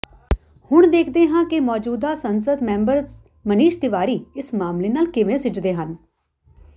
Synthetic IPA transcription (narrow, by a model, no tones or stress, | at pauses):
hʊɳ̃d̪eːkʰd̪eːɦãːkɪmɔːd͡ʒuːd̪aːsənsəd̪mɛ̃ːmbəɾ | məniːʃd̪ɪʋaːɾiːɪsmaːmleːnaːlkɪʋẽːsɪd͡ʒd̪eːɦən